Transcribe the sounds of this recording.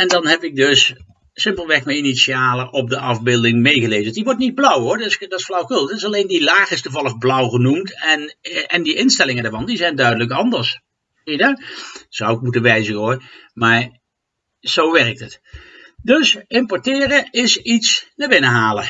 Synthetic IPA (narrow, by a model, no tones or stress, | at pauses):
ɛndɑnɦɛpɪk̚dɵs | sɪmpəlˠʋɛrkməinisiaːləʔɔp̚dəɑvbɪːlˠdɪŋmejɣəlejzədiʋɔɹtnid̚blʌwɦʊːɹdsdɑtɪsflɑwkɵlˠttɪsɑlejndilaːχɪstuvɑlˠəvblʌwχənumtɛnɛndiʔɪnstɛlɪŋəndaːɹvɑndizɛjndœɥdələkɑndəɹs | idasɑwɪk̚mutənʋɛjzənoːɹmaːɹ | z̥owʋɛɹək̚tət | dɵsɪmpɔɹtɪːrəɪsitsnəbɪnəɦaːlə